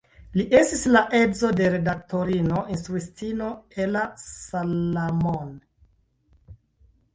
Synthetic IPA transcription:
liʔe̞stislaʔe̞dzo̞de̞ɾe̞dak̚to̞ɾino̞ʔinstɾuistino̞elasalamon

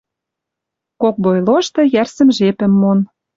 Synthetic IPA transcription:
kok̚bojloʃt̪ɤ̆jærsə̆mʒepə̆mːon

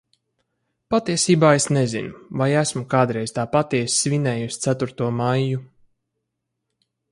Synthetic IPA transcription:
pat̪iɛsʲiːbaːesnezḭnuvajæsmukaːd̪ɾɛjz̥t̪aːpat̪iɛsʲsvʲinɛːjusʲt̪sæt̪uɾt̪uɔmajːu

